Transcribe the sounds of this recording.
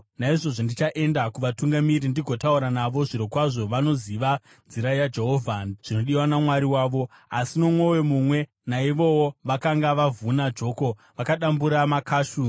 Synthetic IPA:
naiʐo̞ʐondit͡ʃaʔe̞ndakuʋatuŋɡamiɾindiɡʱo̞tauɾanaʋo̞ʐiɾokwaʐo̞ʋano̞ziʋa | nziɾajad͡ʒe̞ɦo̞vʱanʐ̥ino̞ɗiwanamwaɾiwaːʋo̞ | asino̞mwowe̞mumwe̞ | naiʋo̞woʋakaŋɡaʋavunad͡ʒo̞ːko̞ | ʋakaɗambuɾamakʰaːʃu

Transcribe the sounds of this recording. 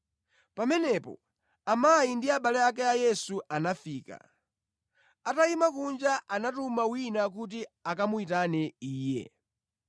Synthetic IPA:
pamɛnɛpɔ̰ | amajindiaɓalɛakɛajɛsuʔanafiːka̰ | ataimakund͡ʒaʔanatumawinak̬ut̬iakamuitanɛiːjɛ̰

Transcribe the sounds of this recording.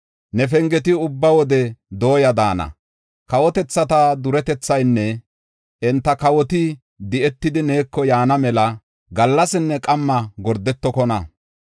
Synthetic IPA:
nɛfɛŋɡɛt̪̬ɪʊbːɐwɔd̪ɛd̪o̞ːjɐd̪aːnɐ̰ | kɐwɔt̪ɛt͡sːɐt̪ɐd̪ʊɾɛt̪ɛt͡sːɐjnːɛ | ɛnt̪ːɐkɐwɔt̪ɪ | d̪ɪʔɛt̪ːɪd̪ɪne̞ːkːɔjaːnɐmɛlɐ | ɡɐlːɐsɪnːɛkʼɐmːɐɡɔɾd̪ɛt̪ːɔkɔnɐ

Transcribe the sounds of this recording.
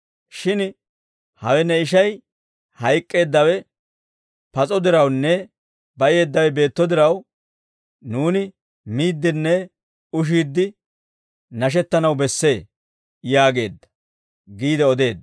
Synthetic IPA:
ʃɪn | hɐwɛnːɛɪʃɐj | hɐjkʼːe̞ːd̪ːɐwɛ | pɐt͡sʼɔd̪ɪɾɐwnːɛ | bɐʔɪe̞ːd̪ːɐwɛbe̞ːt̪ːɔd̪ɪɾɐw | nuːnɪ | miːd̪ːɪnːɛ | ʊʃ̬iːd̪ːɪ | nɐʃ̬ɛt̪ːɐnɐwbɛsːe̞ː | jaːɡe̞̰ːd̪ːɐ̥ | ɡiːd̪ɛɔd̪e̞ːd̪ːɐ

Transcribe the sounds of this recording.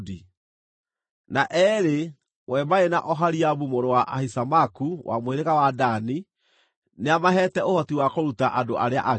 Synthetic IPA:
di | naʔɛɾe | wɛmaenaʔɔɦaɾiaβumoɾowaʔahisamakuwʔa̰moeɾeɣawadani | neamaɦɛːtɛohɔtiwakoɾutaʔadoʔaɾea̰ʔa

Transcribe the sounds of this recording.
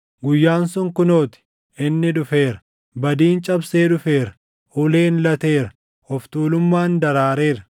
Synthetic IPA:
ɡʊjːaːnsʊŋkʊno̞ːt̪ɪ̥ | ʔɪnːɪᶑʊfe̞ːɾɐ̥ | bɐd̪iːnt͡ʃʼɐbseːᶑʊfe̞ːɾɐ̥ | ʔʊːle̞ːnlɐt̪e̞ːɾɐ̥ | ɔft̪uːlʊmːaːnd̪ɐɾaːɾe̞ːɾɐ

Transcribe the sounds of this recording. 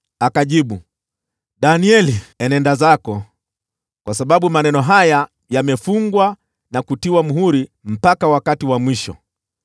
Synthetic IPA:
akaʄiɓu | ɗaniɛliɛnɛndazakɔ | kwasaɓaɓumanɛnɔɦaja | jamɛfuŋɡwa | nakutiwam̩ɦuɾim̩pakawakatiwamwiʃɔ̰

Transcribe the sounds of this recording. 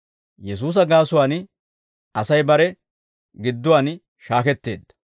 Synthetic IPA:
jɛs̬uːs̬ɐɡaːsʊwaːn | ʔɐsɐjbɐɾɛ | ɡɪd̪ːʊwaːn | ʃaːkɛt̪ːeːd̪ːɐ̥

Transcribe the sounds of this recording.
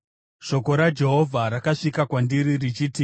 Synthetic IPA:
ʃo̞ko̞ɾad͡ʒe̞ɦovʱaɾakaʂikakwandiɾirit͡ʃiːti

